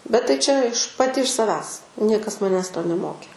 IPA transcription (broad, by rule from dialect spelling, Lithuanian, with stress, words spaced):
bʲɛt tɐɪ ˈt͡ʃʲɛ ɪʃ pɐˈtʲɪ ɪʃ sɐˈʋʲæːs ˈnʲiɛkɐs mɐˈnʲæːs toː nʲɛˈmoːkʲeː